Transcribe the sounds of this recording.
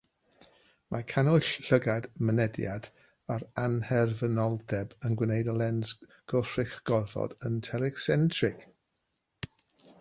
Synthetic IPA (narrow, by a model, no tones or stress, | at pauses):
mʔakʰanʊɬɬəɡadmənɛdja̰d | aɾanhɛrvənɔlˠdɛbənɡwɪneɨdəlˠɛnzɡ̥ɔr̥ɪχɡ̥ɔrvɔ̰d̥əntʰɛlɛksɛntʰrɪk